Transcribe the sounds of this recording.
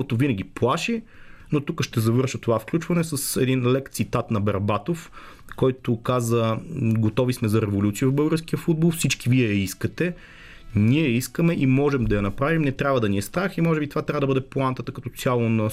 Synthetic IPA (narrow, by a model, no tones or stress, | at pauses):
ot̪ovinəɡʲiplˠaʃi | not̪ukəʃt̪ɛzɐvɤɾʃət̪ovafklʲut͡ʃvɐnɛsəsɛd̪inlɛkt̪sit̪at̪nɐbɐɾbat̪of | kɔjt̪okazəɡot̪ɔvismɛzɐɾɛvolʲut̪siəvvbɤlˠɡəɾsk̟ijəfud̪̚bolˠfsit͡ʃkiviɛjɐiskət̪ɛ | niɛjɐiskəmɛʔimɔʒɛmd̪ɐjɐnɐpɾavimnɛt̪ɾʲabvəd̪ɐniɛst̪ɾaximɔʒɛbit̪ovat̪ɾʲavəd̪əbɤd̪ɛplˠant̪ət̪əkɐt̪ɔsʲjalˠonɐ